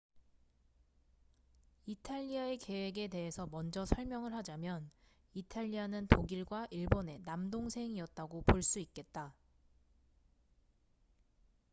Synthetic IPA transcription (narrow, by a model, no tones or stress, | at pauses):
itʰaʎːiae̞ke̞we̞ɡe̞te̞ɦe̞sʰʌmʌnd͡ʑʌsʰʌɭmjʌŋɯɭhad͡ʑamjʌn | itʰaʎːianɯntoɡiɭɡwaʔiɭbone̞namdoŋsʰe̞ŋiʌt̚t͈aɡopoɭs͈uik͈̚e̞t̚t͈a